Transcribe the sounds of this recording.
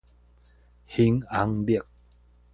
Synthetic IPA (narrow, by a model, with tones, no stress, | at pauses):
hi˧˦ŋa˨˦ŋbi˦˧˩ə˨k̚